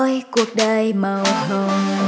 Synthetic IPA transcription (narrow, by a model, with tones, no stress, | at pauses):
jku˨˩ək̚ɗə˧jmə˨˩wt̪ʰə˧˩ŋ